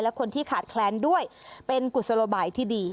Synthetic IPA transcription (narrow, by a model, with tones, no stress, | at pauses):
jlɛ˦˥kʰo˧nt̪ʰiː˥˩kʰaː˨˩t̪̚kʰlɛː˨˦˥ndu˥˩əjpe˧nku˨˩t̪̚sa˧loː˧baː˨˩jt̪ʰiː˥˩diː˧